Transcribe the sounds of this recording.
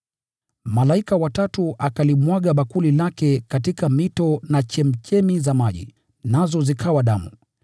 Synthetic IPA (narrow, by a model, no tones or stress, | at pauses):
malaikawatatuʔakalimwaɠaɓakulilakɛkatikamitɔnat͡ʃɛm̩t͡ʃɛmizamaʄḭ | nazɔzikʰawaɗamṵ